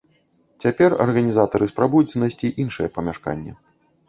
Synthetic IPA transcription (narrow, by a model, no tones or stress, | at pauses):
t͡sʲapʲɛrɐ̰rɣɐnʲizat̪ɐɾɨspɾabujut͡sʲznajsʲt͡sʲiʔinʂɨjɛpɐmʲaʂka̰nʲːɛ̰